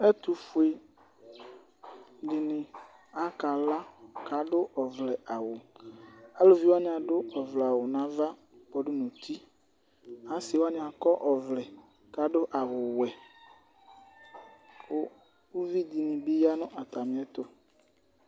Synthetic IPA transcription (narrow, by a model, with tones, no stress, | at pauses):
ɛ˦t̪u˨fu˨e˨ | dɪ˨nɪ̃˨ | a˦ka˨la˦ka˨˦ɖʊ˦ʔɔ˨vlɛ˨a˨wʊ˨ | a˦lo˦vi˦wa˦ñ˨˦a˨ɖʊ˦ɔ˨vlɛ˨a˨wʊ˨nã˦va˦ | bɔ˨ɖʊ˦nũ˨t̪ʰi˦ | a˦sɪ˨wa˦ɲĩ˨a˨kɔ˦ʔɔ˨vlɛ˨ | ka˨ɖʊ˦ʔa˨wʊ˨wɛ˨ | wo˦ | wu˦vi˦d̪i˨nĩ˨bi˦ja˦nʊ̃˦ʔa˨t̪a˨mĩ˨˦ɛ˦t̪ʊ˦